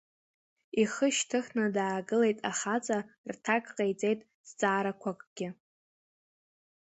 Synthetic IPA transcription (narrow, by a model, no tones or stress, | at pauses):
iχəʃtʰɨχnadaːɡɨle̞jtʼaχat͡sʼartʰakʼqʼejt͡sʼe̞jtʼ | sd͡zʼaːɾakʷʰakʼɡ̥ʲɪ